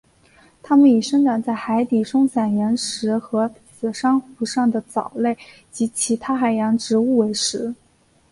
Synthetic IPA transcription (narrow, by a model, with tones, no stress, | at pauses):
t̪ʰa˥mə˨ni˨˩ʂɤ˥ŋʈ͡ʂa˨˩nt͡sa˥˩ɪxa˧˥ɪt̪i˨˩ʈ͡ʂʊ˥ŋɕa˨˩njɛ˧˥nʂɻ̩˧˥xɤ˧˥ | sɹ̩˨˩ʂɑ˥ŋxu˧˥ʂɑ˥˩ŋd̪ə˩t͡sɑ˨˩ʊle˥˩ɪ | t͡ɕi˧˥t͡ɕʰi˧˥t̪ʰa˥xa˨˩ɪjɑ˧˥ŋʈ͡ʂɻ̩˧˥u˥˩we˧˥ɪʂɻ̩˧˥